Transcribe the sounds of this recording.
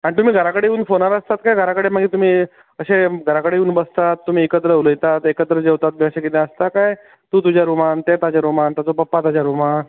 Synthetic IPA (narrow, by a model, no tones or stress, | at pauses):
aɽ̃it̪um̤iːɡʱəɾakəɽejuːnfonaɾəst̪at̪kajɡʱəɾakəɽem̤əɡet̪um̤iː | əɕeɡʱəɾakəɽeuːnbəst̪at̪ːum̤iːekət̪ɾəuləjt̪at̪ekət̪ɾəd͡ʑewt̪at̪̚miəɕekit̪ẽəst̪akaj | t̪uːt̪ud͡ʑjaɾumant̪et̪ad͡ʑaɾumant̪at͡sopəpːat̪ad͡ʑjaɾuma